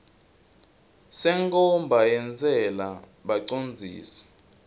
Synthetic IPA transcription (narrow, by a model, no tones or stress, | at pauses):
sɛŋkʼɔmbʱajɛnd͡zʱɛla | ɓaǀond͡zʱḭːsɛ̥